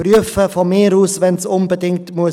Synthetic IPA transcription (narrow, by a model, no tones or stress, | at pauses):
ryəfəfɔmeːɾuːsvɛnsʊnbədɪŋktmuə